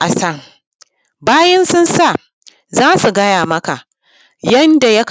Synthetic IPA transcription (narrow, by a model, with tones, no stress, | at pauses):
ʔa˨sɐ˦ŋ | baː˦jɐ˦nsʊ˦nsa˦˨ | zaː˦su˨ɡɐ˦jaː˨mɐ˦ka˨ʔ | jɐ˦nda˨jɐ˦k